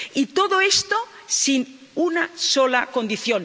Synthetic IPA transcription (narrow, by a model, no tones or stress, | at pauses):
it̪oðoest̪o | sin | unasolakond̪iθjon